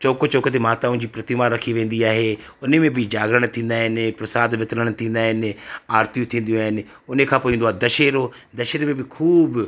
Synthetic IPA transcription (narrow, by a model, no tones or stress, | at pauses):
t͡ʃɔːkot͡ʃɔːket̪̬emaːt̪aʊ̃d͡ʑiːpɾɐt̪ɪmaɾɐkʰiʋẽːn̆d̪iaːɦe | ʊnemẽbʱɪd͡ʒaːɡɾəɽ̃t̪ʰĩːn̆d̪aːɦɪnɪpɾɐsaːd̪ʋɪt̪ləɽ̃t̪ʰĩːnd̪aːɦɪnɪ̆aːɾt̪ijũt̪ʰĩːn̆d̪ijũaːɦɪnɪ̆ | ʊnekʰãːpoːĩːnd̪oaːɦed̪ɐʃeːɾo | d̪ɐʃeɾmẽbɪkʰuːb